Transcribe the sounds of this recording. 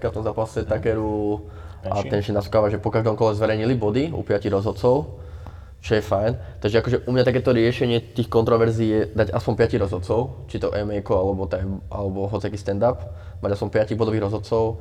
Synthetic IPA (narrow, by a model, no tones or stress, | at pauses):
kaft̪ɔmzaːpasɛt̪akɛɾu | a̰t̪ɛnʃɛnaskaːʋaʒɛpɔkaʒd̪ɔmkɔlɛzʋɛɾɛjɲilibɔd̪iṵpɪaciɣɾɔzɦɔt̪̚t͡sɔʊ | t͡ʃɔjɛfajnt̪aɡʒɛakɔʒɛʔumɲat̪akɛːt̪ɔɾɪɛʃɛɲɪɛt̪iːxkɔnt̪ɾɔʋɛɾziːjɛd̪aɟaspɔmpɪaciɣɾɔzɦɔt̪t͡sɔʊt͡ʃit̪ɔʔɛmɛjkɔalɛbɔt̪ɛa̰lɛbɔɦɔt͡sɪakiːst̪ɛnd̪ap | maɟaspɔmpɪaciːɣbɔd̪ɔʋiːɣɾɔzɦɔt̪t͡sɔʊ